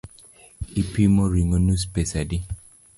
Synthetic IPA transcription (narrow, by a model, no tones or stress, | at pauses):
ipimɔɾiŋonuspesadi